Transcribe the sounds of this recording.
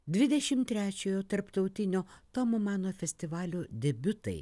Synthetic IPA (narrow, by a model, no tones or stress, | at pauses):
d̪ʲʋʲɪd̪ʲɛʃʲɪmt̪ʲːɾʲæːt͡ʃʲoːjoːt̪ɐɾpt̪ɐʊt̪ʲɪnʲoːt̪ɔmomɑːnoːfʲɛsʲt̪ʲɪʋɑːlʲoːd̪ʲɛbʲʊt̪ɐɪ